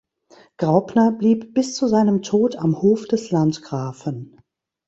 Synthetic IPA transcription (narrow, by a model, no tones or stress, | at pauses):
ɡ̥ʁaʊpnɐbliːp̚b̥ɪst͡suzaɪnəmtʰoːtamhoːfd̥ɛslantɡ̥ʁaːfən